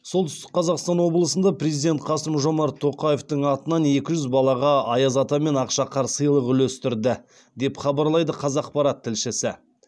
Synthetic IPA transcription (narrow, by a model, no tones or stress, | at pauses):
so̞lˠt̪ʏ̥st̪ɪ̥q̚qʰɑzɑqst̪ɑnwo̞blˠəsənd̪ɑpɾezijd̪et̪̚qʰɑsəmʒo̞mɑɾt̪ʰːo̞qɑje̞ft̪əɴɑt̪ənɑne̞kʲɪʒʏzbɑlˠɑʁɑɑjɑzɑt̪ɑme̞nɑqʃɑqʰɑɾsəjlˠəqʏlɵst̪ɪɾd̪ɪ | d̪e̞pχɑbɑɾlˠɑjd̪əqʰɑzɑq̚pɑɾɑt̪ʰːɪlʃɪsɪ